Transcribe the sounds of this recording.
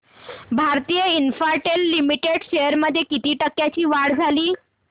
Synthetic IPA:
bʱaɾt̪iːjəinfaɾʈelːimiʈeɽɕejəɾməd̪ʱːjekit̪iːʈəkːjat͡ɕiːʋaɽd͡zʱaliː

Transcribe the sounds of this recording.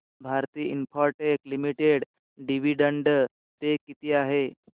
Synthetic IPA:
bʱaɾt̪iːinpʰɔɾʈeklimiʈeɽ | ɖiʋiɖəɳɖə | t̪ekit̪iːaɦe

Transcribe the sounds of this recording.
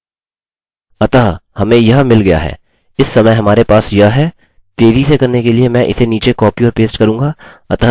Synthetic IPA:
ɐt̪aːɦhɐmẽjɐɦmɪlɡɐja̰ɦɛ̰ː | ɪsːɐməjɦɐmaːɾepaːsjɐɦɦɛː | t̪eːzisekɐɾnekeliemɛ̃ʔɪ̰seniːt͡ʃekɔːpiɔːɾpeːsʈkɐɾũːŋɡaː | ɐt̪a

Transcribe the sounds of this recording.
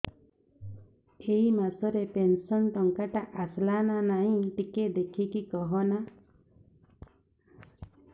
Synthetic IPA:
eimasɔɾepensɔnʈɔŋkaʈaʔaslananaɦĩʈiked̪ekʰikikɔɦɔna

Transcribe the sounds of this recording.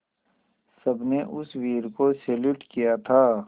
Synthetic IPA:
sɐbneʔʊswiːɾkoseːluːʈkijat̪ʰaː

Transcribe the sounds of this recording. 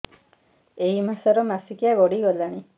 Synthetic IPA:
eɦimasɔɾɔmasikijaɡɔɽiɡɔlaɽ̃i

